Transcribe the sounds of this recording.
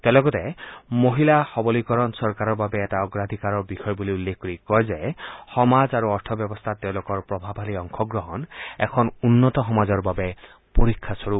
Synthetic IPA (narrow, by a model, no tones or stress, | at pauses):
tẽlɔkɔtɛmoɦilaxɔbɔlikɔɹɔnsɔɹkaɾɔɹbabɛːtaɔɡɹad̪ʱikaɹɔɹbixɔjbuliulːekʰkoɹikɔɹzɛxɔmazaɹuɔɹt̪ʰɔbjɔbɔst̪ʰatːeʊ̃lokɔɹpɹɔbʱabʱaliɔŋkʰɔɡɹɔɦɔnɛ̰kʰɔnunːɔtɔxɔmazɔɹbabɛ | poɹikʰːasoɹu